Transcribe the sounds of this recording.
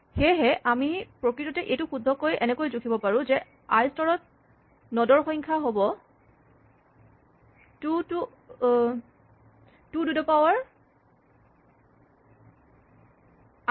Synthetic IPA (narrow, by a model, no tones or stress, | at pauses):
xeɦɛʔamipɹokɹitɔtɛʔejtuxudʱːɔkojɛnɛkojzukʰibɔpaɹũzɛ | aɹstɔɹɔt̚ | nɔdɔɹxɔj̃ŋkʰaɦobɔ | tutu | tududɔpawaɹ